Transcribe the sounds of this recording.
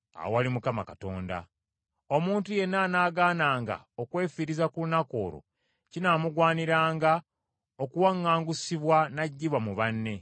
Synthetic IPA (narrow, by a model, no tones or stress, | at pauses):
a̰wowalimukamakato̞ːnda̰ | o̞muːntuje̞nːanaːɡaːnaːŋɡa̰ | okwe̞ːfiɾizakuunako̞̰ːɾo̰ | cinaːmuɡwaːniɾaːŋɡa | okuwaŋːaːŋɡusiβwanaɟːiβwamuβanːe̞